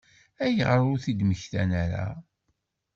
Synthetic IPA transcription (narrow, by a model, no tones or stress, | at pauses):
æjəʁɾʊɾθid̪məçθæ̰næɾa̰